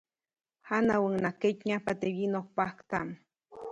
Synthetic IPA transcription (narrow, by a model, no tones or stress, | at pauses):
hanawəŋnaket͡ʃɲapat̪ewinohpahkt̪a̰m